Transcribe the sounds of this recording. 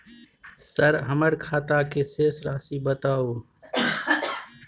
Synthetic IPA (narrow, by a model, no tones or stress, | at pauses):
səɾɦəməɾkʰaːt̪aːkeseːslaːsiːbət̪aːoː